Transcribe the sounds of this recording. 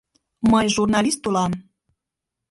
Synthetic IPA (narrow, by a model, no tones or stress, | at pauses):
məjʒurnɑlʲist̪ulɑm